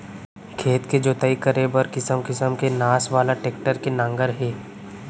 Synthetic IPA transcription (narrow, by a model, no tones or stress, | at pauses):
kʰeːt̪ked͡ʒoːt̪aikəɾebəɾkɪsəmkɪsəmkenaːsʋaːlaʈeːk̚ʈəɾkenãːŋɡəɾɦɛː